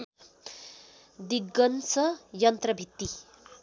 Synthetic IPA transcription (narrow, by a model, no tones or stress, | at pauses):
d̪iɡːʌnsʌjʌnt̪rʌbʱit̪ːi